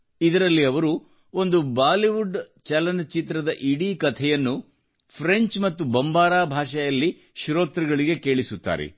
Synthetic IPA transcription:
id̪ɐɾɐlːiɐʋɐɾu | o̞nd̪ubaːliʋuɖ | t͡ʃɐlɐnt͡ʃit̪ɾɐd̪ɐʔiɽiːkɐt̪ʰɛjɐnːu | pʰɾeɲt͡ʃmɐt̪ːubɐmbaːɾaːbʱaːʂɐjɐlːi | ʃɾoːt̪ɾiɡɐɭiɡe̞ke̞ːɭisut̪ːa̰ːɾḛ

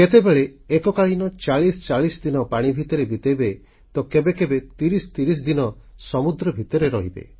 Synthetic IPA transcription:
ket̪ebeɭeːkɔkaɭinɔt͡ʃaɭist͡ʃaɭisɔd̪inɔpaɽ̃ibʱit̪ɔɾebit̪ebe | t̪ɔkebekebet̪iɾist̪iɾis̬d̪inɔ | sɔmud̪ɾɔbʱit̪ɔɾeɾɔɦibḛ

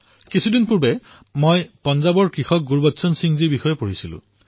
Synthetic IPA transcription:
kisʰudinpuɹbɛ | mojpɔnzabɔɹkɹixɔk̚ɡuɹbɔtːsɔnsiŋziɹbixɔjɛpoɹisilʊ̰̃

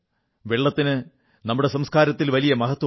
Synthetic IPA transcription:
ʋeɭːɐt̪ːinɨ | nɐmːuɽe̞sɐmskaːɾɐt̪ːilʋɐlijɐmɐɣɐt̪ːwɐ

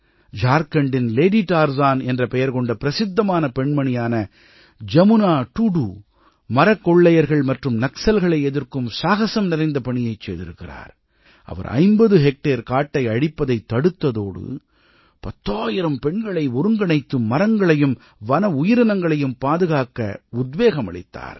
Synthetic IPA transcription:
d͡ʒaːɾkɐɳɖɪnleːɖiʈaːɾzaːnɛndrɐpɛjɐɾkɔɳɖɐpɪɾɐsɪd̪ːɐmaːnɐpɛɳmɐɳɪjaːnɐ | d͡ʒɐmɯnaːʈuɽuː | mɐɾɐkːɔɭːɐjɐɾɣɐɭmɐʈrɯmnɐksɐlɣɐɭɐɪɛðɪrkɯmsaːɣɐsɐmnɪɾɐɪnd̪ɐpɐɳɪjɐɪt͡ʃːɛ̰ːðɪ̰ɾɯkːɪra̰ːɾ | ʔɐ̰ʋɐ̰ɾʔɐ̰ɪmbɐðɯɦɛk̚ʈeːɾkaːʈːɐɪɐɽɪpːɐðɐɪt̪ːɐɽɯt̪ːɐðoːɽɯ̰ | pɐt̪ːaːjɪɾɐmpɛɳɡɐɭɐɪʊɾɯŋɡɐɳɐɪt̪ːɯmːɐɾɐŋɡɐɭɐjɯm | ʋɐnɐʊjɪɾɐnɐŋɡɐɭɐjɯmpaːðɯɣaːkːɐ̰ʊd̪ʋeːɣɐmɐ̰ɭɪ̰t̪ːa̰ːɾ

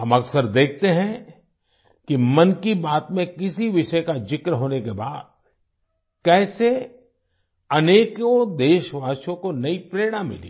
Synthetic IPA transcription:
ɦɐmɐksəɾd̪eːk̚ʰt̪eɦɛ̃ | kimɐnkibaːt̪mẽkɪsiʋɪʃəkad͡ʒɪkɾɦoːnekeba̰ːd̪̚ | kɛːse | ɐneːkod̪eːʃʋaːʃõkonɐipɾeːɽ̃ãmɪ̰lḭː

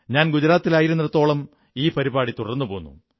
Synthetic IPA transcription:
ɲaːnɡud͡ʑɐɾaːt̪ːilaːjiɾunːiɾɐt̪ːo̞ːɭɐm | iːpɐɾibaːɽit̪urɐnːupoːɣunːṵ

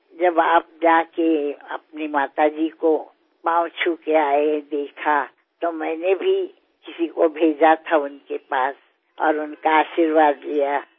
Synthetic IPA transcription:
d͡ʒɐbaːp̚d͡ʒaːkeɐ̰pnimaːt̪ad͡ʒiko | pãːʊt͡ʃʰukeaːed̪eːkʰa | t̪omɛ̃ːnebʱi | kɪsikobʱeːd͡ʒat̪ʰaʊnkepaːs | ɔ̰ːɾʊnkaaːʃiɾʋaːd̪lija

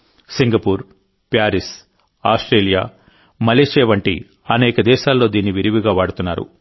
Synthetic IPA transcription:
siŋɡɐpuːɾ | pjaːɾis | aːsʈɾeːlija̰ː | mɐleːʃeːʋɐɳʈḭ | ɐnɛːkɐd̪ɛːʃaːlːo̞ːd̪iːnːiʋiɾiʋiɡaːʋaːɽut̪unːaːɾṵ

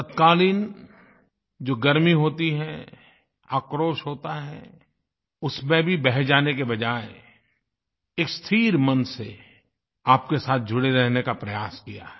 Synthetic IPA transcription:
t̪ɐt̪kaːliːn | d͡ʒoːɡɐɾmiɦoːt̪iɦɛ | aːkɾoːʃɦoːt̪aɦɛ | ʊsmẽbʱibɛɦɛd͡ʒaːnekebɐd͡ʒaːe | eːkst̪ʰiːɾmɐnse | aːp̚kesaːt̪̚ʰd͡ʒʱʊɽeɾɛɦnekapɾɐjaːskija̰ɦɛ

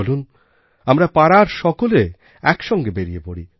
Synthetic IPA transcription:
olun | amɾapaɾaɾʃɔkole | ɛkʃɔŋɡebeɾiepoɽi

